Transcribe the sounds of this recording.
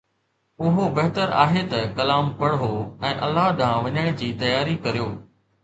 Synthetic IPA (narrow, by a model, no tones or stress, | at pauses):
ʊɦobɐɦt̪əɾa̰ːɦet̪ɐkɐlaːmpɐɽɦoːɛ̃ːʔɐ̰lːaːɦd̪ʱãːʋɐɲəɽ̃d͡ʑiːt̪ɐjaːɾikɐɾijoː